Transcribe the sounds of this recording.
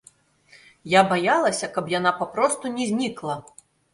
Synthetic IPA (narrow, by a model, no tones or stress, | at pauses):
jabajalˠɐsʲɐkɐpjan̪apapɾɔst̪unʲɛzʲnʲiklˠɐ